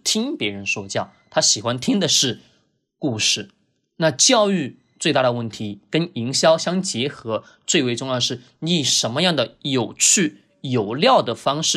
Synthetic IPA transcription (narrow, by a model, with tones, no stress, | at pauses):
t̪ʰi˥ŋpjɛ˧˥ɻə˧˥nʂwɔ˥t͡ɕjɑ˥˩ʊt̪ʰa˥ɕi˨˩xwa˦nt̪ʰi˥ŋd̪ə˨ʂɻ̩˥˩ | ku˥˧ʂɻ̩˥˩ | na˥˧t͡ɕjɑ˥˧ʊy˥˧ | t͡swe˥˧ɪt̪a˥˩d̪ə˩wə˥˩nt̪ʰi˧˥kə˥ni˧˥ŋɕjɑ˥ʊɕjɑ˥ŋt͡ɕjɛ˧˥xɤ˧˥ | t͡swe˥˧ɪwe˥˧ɪʈ͡ʂʊ˥˧ŋjɑ˥˧ʊʂɻ̩˥˩ | ni˧˥˩ʂə˧˥nmə˧jɑ˥˩ŋd̪ə˩jo˨˩ʊt͡ɕʰy˥˩ | jo˨˩ʊljɑ˥˩ʊd̪ə˩fɑ˥ŋʂɻ̩˥˩